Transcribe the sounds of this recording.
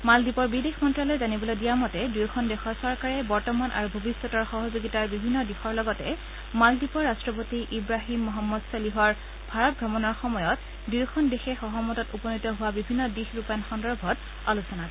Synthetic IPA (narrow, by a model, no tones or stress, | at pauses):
maldipɔɹbidexmɔntɹalɔjzanibɔlodijamɔtɛdujkʰɔndɛxɔɹsɔɹkaɹɛbɔɹtɔmanʔa̰ɹubʱobisːɔtɔɹxɔɦɔzoɡitaɹbibʱinːɔdixɔɹlɔɡɔtɛ | maldipɔɹːastɹɔp̬otiʔibɹaɦimːɔɦɔmːɔdsɔliɦɔɹ | bʱaɹɔt̚ɡɹɔmɔnaɹxɔmɔjɔt | dujkʰɔndexɛxɔɦɔmɔtɔtupɔnitɔɦʊwabibʱinːɔdixɹupaanxɔndɔɹbʱɔt | alusɔnak